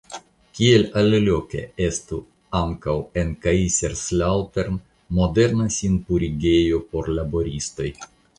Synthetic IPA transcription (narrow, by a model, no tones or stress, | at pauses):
kʲielallo̞ke̞̰e̞st̪u | aŋkawe̞nkaiseɾslawteɾn | mo̞de̞ɾnasʲinpuɾiɡe̞jo̞po̞ɾlabo̞ɾist̪o̞j